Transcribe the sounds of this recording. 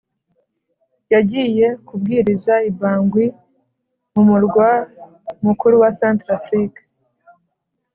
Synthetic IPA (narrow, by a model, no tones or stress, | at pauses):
jaɟiːje̞kubɡiːɾizaibaːŋɡwi | mumuɾɡwa | mukuɾuwasaːntɾafɾik